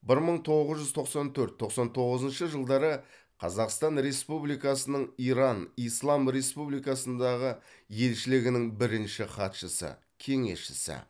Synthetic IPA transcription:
bɪɾməɴt̪ʰo̞ʁəzʒʏzt̪ʰo̞qsɑnt̪ʰɵɾt̪ʰːo̞qsɑnt̪ʰo̞ʁəzənʃəʒəlˠd̪ɑɾə | qʰɑzɑqst̪ɑnɾe̞spublijkɑsənəɴijɾɑnijslˠɑmɾe̞spublijkɑsənd̪ɑʁəje̞lʃɪlɪɡʲɪnɪŋbɪɾɪnʃɪχɑt̪ʃəsə̰ | kʲʰe̞ŋe̞̰sʃɪ̥sɪ̰

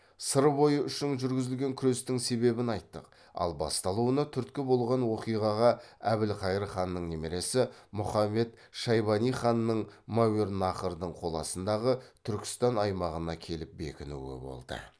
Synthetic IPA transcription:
səɾbo̞jəʔʏʃɪŋʒʏɾɡʲɪzɪlɡʲe̞ŋkʲʰʏɾest̪ɪŋse̞βe̞bɪnɑjt̪ːəq | ɑ̰lˠbɑ̰st̪ɑlˠuənɑt̪ʰʏɾt̪kʲɪbo̞lˠʁɑnwo̞qijʁɑʁɑæbɪlqʰɑjɾəχɑnːəɴne̞me̞ɾe̞sɪmʊχɑmːe̞t̪ | ʃɑjbɑnijχɑnːəɴmaweɾnɑχəɾd̪əɴqʰo̞lˠɑ̰sənd̪ɑʁət̪ʰʏɾkʲɪ̥st̪ɑnɑjmɑʁənɑkʲʰe̞lɪp̚be̞̰kʲɪnṵwɪ̰bo̞̰lˠd̪ə̰

